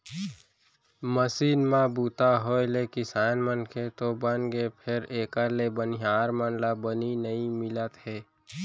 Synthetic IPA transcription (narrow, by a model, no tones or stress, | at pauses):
məsiːnmãbuːt̪aɦoːelekisaːnmənkʰet̪obənɡepʰɪɾeːkəlebəniɦaːɾmənlabəninəĩmɪlət̪ɦɛː